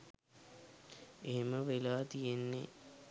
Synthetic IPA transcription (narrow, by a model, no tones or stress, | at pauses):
eɦeməʋelaːt̪ijenːe